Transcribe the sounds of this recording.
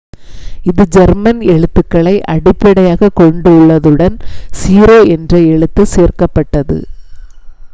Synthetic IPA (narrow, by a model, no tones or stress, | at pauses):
ɪðɯd͡ʒɛɾmɐnɛɻɯt̪ːɯkːɐɭɐɪʔɐɽɪpːɐɽɐjaːɣɐkɔɳɖɯʊɭːɐðɯɽɐnsiːɾoːɛndrɐɛɻɯt̪ːɯseːrkɐpːɐʈːɐðɯ̰